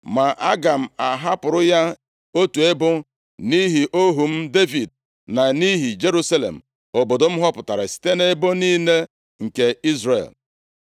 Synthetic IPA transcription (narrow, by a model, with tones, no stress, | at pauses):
ma˨ʔa̰˦ɡa˨m̩˨a˨ɦa˦pʊ˨ɾʊ˦ja˦ | o˦tu˨e˦bʊ˦ | ni˦ɦi˨ʔo˦ɦu˨m̩˦de˦vi˨d̚ | na˨ni˦ɦi˨d͡ʒe˦ɾu˦sa˦lḛ˨m̩˨ | o˨bo˨do˨m̩˦ɦɔ˦pʊ˨ta˨ɾa˨si̥˨te˦ne˦bo˦niː˦ne˦ | ŋ̩˨ke˨i˦zrḛ˨l